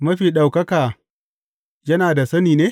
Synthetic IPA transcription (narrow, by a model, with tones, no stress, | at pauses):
mɐ˦ɸiː˨ɗa˨wkɐ˦kaː˨ | jɐ˦naː˨da˨sɐ˦niː˨neː˦